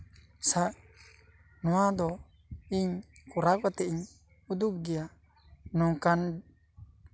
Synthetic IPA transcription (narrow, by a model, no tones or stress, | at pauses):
saʔ | nuad̪ɔ | iɲkuɾak̚wat̪ɛiɲ | ud̪uk̚ɡija | nukan